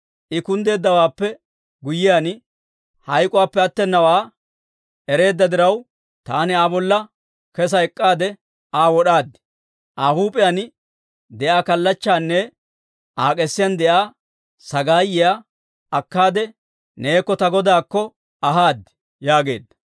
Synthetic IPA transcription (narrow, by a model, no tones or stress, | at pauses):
ʔɪkʊnd̪e̞ːd̪ːɐwaːpːɛ | ɡʊjɪjan | hɐjkʼʊwaːpːɛɐt̪ːɛnːɐwaː | ʔɛɾe̞ːd̪ːɐd̪ɪɾɐw | t̪aːnɪaːbɔlːɐ | kɛs̬ɐɛkʼːaːd̪ɛ | aːwɔɗaːd̪ɪ̥ | ʔaːhuːpʼɪjɐn | d̪ɛʔaːkɐlːɐt͡ʃːaːnːɛ | ʔaːkʼɛsːɪjɐnd̪ɛʔaː | sɐɡaːjːɪja | ɐkːaːd̪ɛ | ne̞ːkːɔt̪ɐɡɔd̪aːkːɔ | ɐɦaːd̪ɪ̥ | jaːɡe̞̰ːd̪ːɐ̥